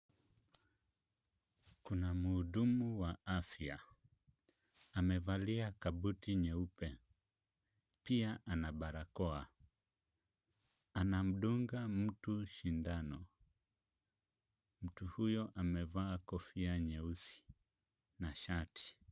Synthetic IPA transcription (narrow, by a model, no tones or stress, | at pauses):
kunamuːɗumuwaafja | amɛvaliakabutiɲɛupɛ | piaʔanabaɾakɔa | anam̩ɗuŋɡam̩tuʃindanɔ | m̩tuhujɔʔamɛvaːkɔfiaɲɛusi̥ | naʃati̥